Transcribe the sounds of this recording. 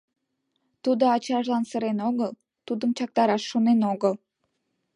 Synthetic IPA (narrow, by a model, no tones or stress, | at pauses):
t̪ud̪oɑt͡ɕɑʒlɑnsəɾenoɣəl | t̪ud̪əmt͡ɕɑk̚t̪ɑɾɑʃːonenoɣəl